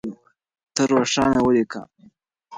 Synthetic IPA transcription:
t̪əɾoʂɑnawəlika̰

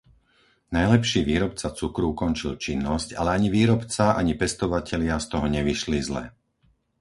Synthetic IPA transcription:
najlɛpʃiːʋiːɾɔpt͡sat͡sukɾuukɔnt͡ʃilt͡ʃinːɔsca̰lɛaɲiʋiːɾɔpt͡saʔa̰ɲipɛst̪ɔʋacɛlɪast̪ɔɦɔɲɛʋiʃlizlɛ̰

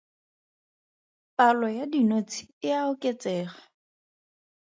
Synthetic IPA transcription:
palɔjadinot͡sʰi̥ɪaʊkʼet͡sʼɛːχḁ

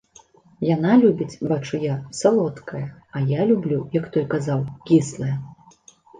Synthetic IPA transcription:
janalʲubʲit͡sʲbat͡ʂujasalˠɔt̪kʰɐjɐɐjalʲublʲujɐkt̪ɔjkazawkʲislˠɐjɐ

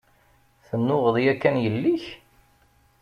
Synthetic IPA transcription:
θənːʊʁəðˤjækːænjəlːiç

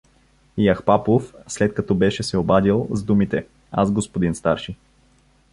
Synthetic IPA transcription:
ijaxpapofslɛt̪̚kɐt̪ɔbɛʃɛsɛobad̪ilˠzd̪umit̪ɛ | a̰zɡospod̪inst̪aɾʃi

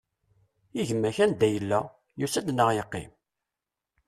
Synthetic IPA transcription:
iʝəmːæçænd̪æjəlːæ | jusæd̪nəʁjəqːɪ̰m

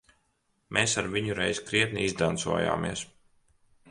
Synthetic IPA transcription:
mʔeːsaɾviɲuɾɛjzkɾiɛt̪̚niizd̪ant̪sṵɔja̰ːmḭɛs

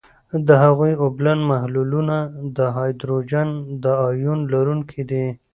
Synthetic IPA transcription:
d̪əɦaɣujoblanmahlulunad̪əɦɑjd̪ɾod͡ʒand̪əɑjunlaɾuŋkʰid̪i

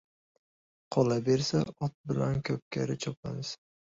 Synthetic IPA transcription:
qʰɒlabeɾsaɒt̪̚bɪlankʲʰɵp̚kʲʰaɾɪt͡ʃʰɒpa̰nɪs

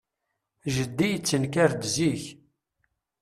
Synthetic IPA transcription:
ʒəd̪ːijət͡sːənkæɾd̪ziç

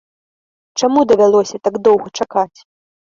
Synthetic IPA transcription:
t͡ʂamud̪ɐvʲalˠɔsʲɐt̪aɡd̪ɔwɣɐt͡ʂakat͡sʲ

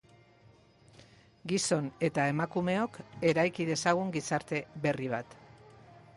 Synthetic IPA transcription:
ɡiso̞ne̞t̪ae̞makume̞o̞ke̞ɾajkið̞e̞saɣ̞uŋɡisaɾt̪e̞βe̞riβ̞at̪

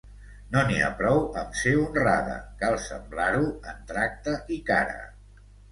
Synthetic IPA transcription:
nonia̰pɾɔwəmseunra̰ðə̰kalˠsə̰mblaɾuənt̪ɾak̚t̪əʔikaɾə̰

